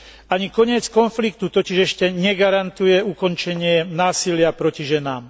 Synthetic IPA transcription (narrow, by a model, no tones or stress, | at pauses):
aɲikɔɲɪɛt͡skɔnflikt̪ut̪ɔciʒɛʃcɛɲɛɡaɾant̪ujɛukɔnt͡ʃɛɲɪɛnaːsilɪapɾɔciʒɛnaːm